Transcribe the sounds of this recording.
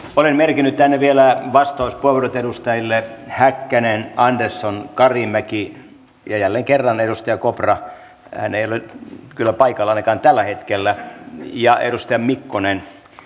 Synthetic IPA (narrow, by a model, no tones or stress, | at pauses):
olenmerkinːyt̪t̪ænːeʋielæʋɑst̪ɑuspueʋorot̪edust̪ɑjilːehækːænenɑndersːonkɑrimæki | jɑjælːeŋkerːɑnedust̪ɑjɑkoprɑ | hæ̰neijolekylːæpɑikɑlːɑnekɑːnt̪ælːæhet̪kelːæjɑḛdust̪ɑjɑmmikːonen